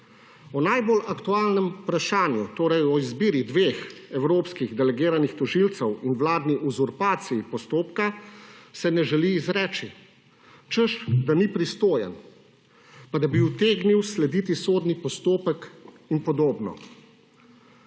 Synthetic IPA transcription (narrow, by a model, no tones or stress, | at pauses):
ɔnajbolakt̪uaːlnɛmupɾaʃaːnjut̪oːɾɛjɔizbiːɾid̪ʋeːxɛwɾoːpskiɣd̪ɛlɛɡiːɾanixt̪ɔʒilt̪sɛwinwlaːd̪niʔuzuɾpaːt̪sijipɔst̪oːpkasɛnɛʒɛliːzɾɛːt͡ʃi | t͡ʃəʃd̪anipɾist̪oːjɛ̰n | pad̪abiwt̪eːɡniwslɛd̪iːt̪isoːd̪nipɔst̪oːpək | inpɔd̪oːbnɔ̰